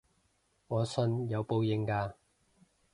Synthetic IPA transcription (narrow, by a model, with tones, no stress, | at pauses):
ŋɔː˨˧sɵ˧njɐ˨˧wpo˧wjɪ˨˧ŋkaː˧